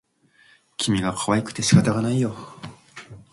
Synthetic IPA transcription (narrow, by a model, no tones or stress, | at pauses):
kʲʰimʲiɡakʰaβaikɯ̟̥t̪e̞ɕi̥kat̪aɡanaijo̞